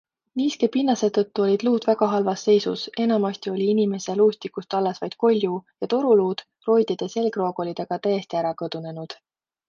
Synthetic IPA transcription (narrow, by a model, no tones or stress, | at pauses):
niːskepinːɑse̞t̪ːɤt̪ːuo̞lʲid̪̥luːd̪̥væɡ̥ɑɦɑlvɑsːe̞jsṵse̞nɑmɑst̪io̞lʲiinime̞seluːst̪ikust̪ɑlːesvɑjd̪̥̚ko̞lʲjujɑt̪o̞ɾuluːd̪̥ | ro̞jd̪̥id̪̥e̞se̞lɡro̞ːɡo̞lʲid̪̥e̞ɡ̥ɑt̪æjest̪iæɾɑkɤd̪̥une̞nud̪̥